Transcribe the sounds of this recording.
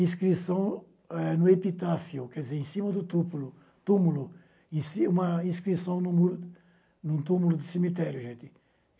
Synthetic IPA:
ĩskɾisɐ̃w̃ | ɛnʊepit̪afiʊkɛɾd̪izeɾẽsĩmɐd̪ʊt̪upulʊ | t̪umulʊ | ĩsiũmɐĩskɾisɐ̃w̃nũmuɾ | nũt̪umulʊd̪ɪsemit̪ɛɾjʊʒẽnt̪ɪ

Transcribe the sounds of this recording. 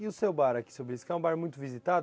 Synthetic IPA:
iʊsewbaɾɐkɪ̥sobɾiskaũbaɾmũj̃t̪ʊvizit̪ad̪

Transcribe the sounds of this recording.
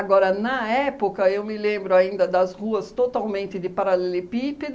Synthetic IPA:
aɡɔɾɐnɐɛpokɐewmɪlẽmbɾʊaĩnd̪ɐd̪ɐzhuɐst̪ot̪awmẽnt̪ɪd̪ɪpaɾalɛlɪpipɪd̪

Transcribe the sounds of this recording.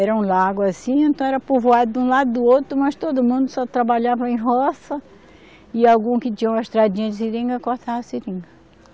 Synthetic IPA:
ɛɾɐũlaɡʊasĩẽnt̪ɐ̃w̃ɛɾɐpovoad̪ʊd̪ũlad̪ʊd̪ʊowt̪ɾʊmɐst̪od̪ʊmũnd̪ʊsɔt̪ɾabaʎavɐẽj̃ɦɔsɐ | ɪawɡũkɪt͡ʃĩɲɐũmɐeʃt̪ɾad͡ʒĩɲɐd͡ʒ̪ɪsiɾĩŋɡɐkoht̪avɐsiɾĩŋɡɐ

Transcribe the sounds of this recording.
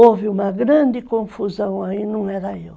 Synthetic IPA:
ovɪumɐɣɾɐ̃nd̪ɪkõfuzɐ̃w̃ɐinɐ̃w̃ɛɾɐew

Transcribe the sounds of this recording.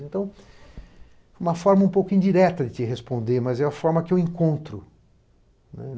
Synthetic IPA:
ẽnt̪ɐ̃w̃ | ɛũmɐfɔɾmɐũpowkʊĩnd͡ʒ̪iɾɛt̪ɐd̪ɪt̪ɪɦespõnd̪eɾmɐzɛɐfɔɾmɐkɪewẽŋkõnt̪ɾʊ | nɛ

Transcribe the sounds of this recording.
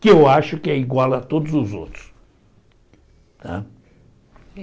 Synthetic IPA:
kɪewaʃʊkɪɛiɡwalɐt̪od̪ʊzʊzo̰t̪ɾʊ̥s | t̪a̰

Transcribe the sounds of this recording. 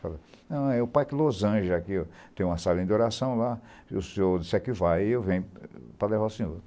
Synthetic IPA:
falanɐ̃w̃ɛʊpajkɪlozɐ̃ʒɪakiɔt̪ẽj̃ũmɐsalẽd̪oɾasɐ̃w̃laʊsĩoɾd̪isɛkɪvajewvẽj̃pɾɐlevawsĩɲoɾ

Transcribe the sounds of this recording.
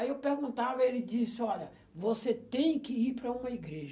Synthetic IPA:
aiewpeɾɡũnt̪avɐelɪd͡ʒisɪɔʎɐ | voset̪ẽj̃kɪiɾpɾɐũmɐiɡɾeʒ

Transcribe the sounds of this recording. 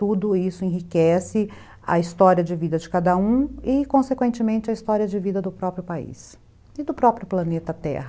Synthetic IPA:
t̪ud̪ʊisʊẽɦikɛsɪ | ɐ̰ist̪ɔɾiɐd͡ʒɪvid̪ɐd͡ʒɪkad̪ɐũɪkõsekwẽnt͡ʃɪmẽnt͡ʃɪɐist̪ɔɾiɐd͡ʒɪvid̪ɐd̪ʊpɾɔpɾjʊpaḭs | ɪd̪ʊpɾɔpɾjʊplɐnet̪ɐt̪ɛ̰hɐ

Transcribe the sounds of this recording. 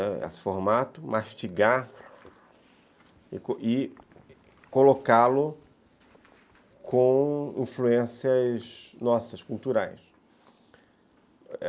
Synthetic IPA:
ɛḛsɪ̥foɾmat̪ʊmaʃt͡ʃiɡa | ɪ̰koɪ | kolokalʊ | kʰõḭ̃fluẽsiɐznɔsɐskult̪uɾajs

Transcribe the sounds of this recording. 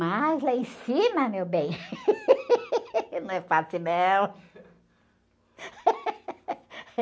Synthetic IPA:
majzlaẽj̃sĩmɐmewbẽj̃ | nɐ̃w̃ɛfasɪmew̃

